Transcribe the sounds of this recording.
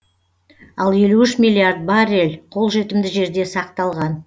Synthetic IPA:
ɑlˠje̞luʏʃmilʲˠiard̪̚baɾelʲqʰo̞lˠʒe̞t̪ɪmd̪ɪʒe̞ɾd̪e̞sɑq̚t̪ɑlˠʁɑn

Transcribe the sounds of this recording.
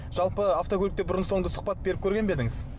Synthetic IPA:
ʒ̥ɑlˠpəaft̪okʲolʲɪkt̪ebʊɾənso̞ɴd̪əsʊ̥q̚pɑt̪̚be̞ɾɪpkʲʰɵɾɡʲe̞nbe̞d̪ɪŋɪz

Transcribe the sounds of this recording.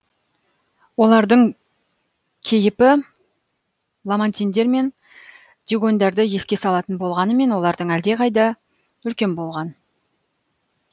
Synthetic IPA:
wo̞lˠɑɾd̪əɴ | kʲʰe̞jɪpɪ | lˠamant̪ʲijnd̪e̞ɾme̞n | d̪iɡo̞nd̪ɑɾd̪əje̞skʲe̞sɑlˠɑt̪ənbo̞lˠʁɑnəme̞nwo̞lˠɑɾd̪əɴæld̪e̞qɑjd̪ɑ | ʏlkʲe̞nbo̞lˠʁɑn

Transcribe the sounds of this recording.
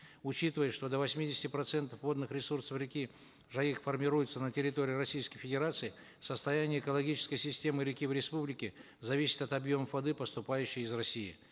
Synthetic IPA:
ʊt͡ɕit̪ɨvəjʂt̪o̞d̪əvɐsʲmʲidʲɪsʲɪ̥tʲɪpɾɐt̪sɛnt̪əfvo̞d̪nɨxɾʲɪsursəfɾʲɪkʲi | ʐɐixfərmʲɪɾujɪt̪sənətʲɪɾʲɪt̪o̞ɾʲɪːɾɐsʲijskəjfʲɪdʲɪɾat̪sɨɪ | səst̪ɐjanʲɪjəɪkəlˠɐɡʲit͡ɕɪ̥skəjsʲɪsʲtʲe̞mɨɾʲɪkʲivɾʲɪspublʲɪkʲɪ | zɐvʲisʲɪ̥t̪ɐt̪ɐbjo̞məvɐd̪ɨpəst̪ʊpajʉɕːɪjɪzrɐsʲijɪ̰

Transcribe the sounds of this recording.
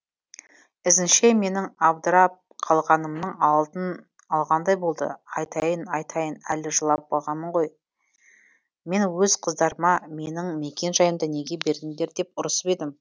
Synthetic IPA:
ɪzɪnʃe̞me̞nɪŋɑbd̪ɾɑp̚qʰɑlˠʁɑnəmnəɴɑlˠd̪ən | ɑlˠʁɑnd̪ɑjbo̞lˠd̪ə̰ɑjt̪ɑjənɑjt̪ʰɑjənæ̰lɪʒəlˠɑp̚bɑ̰lˠʁɑnmːəɴʁo̞j | me̞nwɵzqʰəzd̪ɑɾəmɑme̞nɪŋme̞kʲe̞nʒɑjəmd̪ɑne̞ɡʲe̞be̞ɾd̪ɪŋd̪e̞ɾd̪e̞p̚ʊɾəsbe̞d̪ɪm

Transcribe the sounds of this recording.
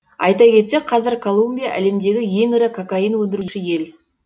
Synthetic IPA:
ɑ̰jt̪ɑkʲʰe̞t̪se̞qʰɑzɪɾkʰolˠumbʲijaʔæ̰le̞md̪e̞ɡʲɪje̞ŋɪɾɪkʰokainwɵnd̪ɪɾuʃɪje̞l

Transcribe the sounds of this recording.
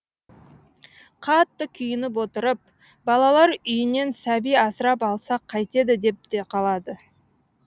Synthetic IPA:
qʰɑt̪ːəkʲʰʏjɪnɪp̬wo̞t̪əɾəp̚ | bɑlˠɑlˠɑɾʏjɪne̞nsæbijɑsəɾɑpɑlˠsɑqʰːɑjt̪e̞d̪ɪd̪e̞p̚t̪e̞qʰɑlˠɑd̪ə

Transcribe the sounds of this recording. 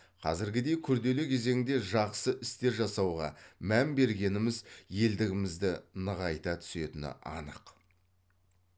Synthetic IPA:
qʰɑ̰zɪɾɡʲɪd̪e̞jkʲʰʏɾd̪e̞lɪkʲʰe̞ze̞ŋɪŋd̪e̞ʒɑqsəʔɪst̪e̞ɾʒɑsɑwʁɑ̰mæmbe̞ɾɡʲe̞nɪmɪzje̞ld̪ɪɡʲɪmɪzd̪ɪnəʁɑjt̪ɑt̪ʰʏ̥se̞t̪ɪnɪ̰ʔɑ̰nə̰q

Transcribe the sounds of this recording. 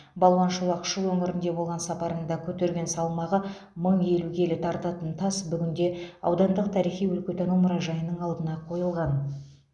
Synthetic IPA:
bɑlˠwɑnʃolˠɑqʃəlwɵŋɪɾɪnd̪e̞bo̞lˠʁɑnsɑpɑɾənd̪ɑkʲʰɵt̪e̞ɾɡʲe̞nsɑlˠmɑʁə | məɴe̞lukʲʰe̞lɪt̪ʰɑɾt̪ɑt̪ənt̪ʰɑsbʏɡʲɪnd̪e̞ɑ̰wd̪ɑnd̪əq̚t̪ʰɑɾijχijwɵlkʲet̪enumʊɾɑʒɑjənəɴɑlˠd̪ənɑqʰo̞jəlˠʁɑn

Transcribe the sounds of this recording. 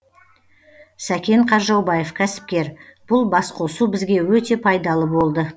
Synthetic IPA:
sækʲe̞ɴqʰɑɾʒɑwbɑje̞fkʲʰæsɪ̥p̚kʲe̞ɾb̥ʊlˠbɑsqʰo̞subɪzɡʲe̞wɵt̪e̞pʰɑjd̪ɑlˠəbo̞lˠd̪ə

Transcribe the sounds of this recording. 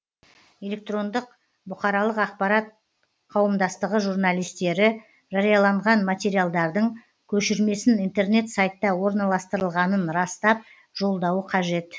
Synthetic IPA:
e̞lʲe̞k̚t̪ro̞nd̪əq | bʊqɑɾɑlˠəqɑq̚pɑɾɑt̪̚ | qʰɑwəmd̪ɑst̪əʁəʒuɾnalʲˠijst̪e̞ɾɪ | ʒɑɾijɑlˠɑɴʁɑnmat̪ʲe̞ɾijalˠd̪ɑɾd̪əɴ | kʲʰɵʃɪɾme̞sɪnijnt̪e̞rne̞t̪sajt̪ːɑwo̞ɾnɑlˠɑst̪əɾəlˠʁɑnənɾɑst̪ɑp̚ | ʒ̥o̞lˠd̪ɑwəqʰɑʒe̞t̪

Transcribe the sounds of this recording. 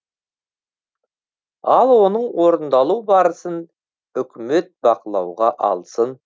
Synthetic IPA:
ɑlˠwo̞nəɴwo̞ɾənd̪ɑlˠuwbɑɾəsən | ʏkʲɪmet̪̚bɑqəlˠɑ̰wʁɑʔɑ̰lˠsən

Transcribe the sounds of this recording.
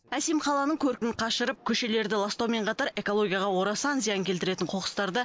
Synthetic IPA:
æse̞mqʰɑlˠɑnəɴkʲʰɵɾkʲɪnɪqʰɑʃəɾəp̚kʲʰɵʃe̞le̞ɾd̪ɪlˠast̪owme̞ɴqʰɑt̪ɑɾe̞kolˠo̞ɡʲijɑʁɑwo̞ɾɑsɑnzijɑŋkʲʰelt̪ɪɾe̞t̪ɪɴqʰo̞qə̥st̪ɑɾd̪ə

